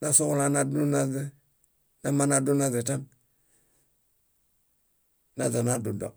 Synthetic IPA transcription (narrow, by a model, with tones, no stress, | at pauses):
na˦so˦kla˦na˦du˦na˦ze˦ | na˦ma˦na˦du˦na˦ze˨ta˦n | na˦za˨na˦du˨do̰˨